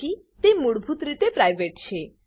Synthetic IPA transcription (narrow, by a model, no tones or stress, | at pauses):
i | t̪emuɽbʱut̪ɾit̪epɾajʋeʈt͡ʃʰe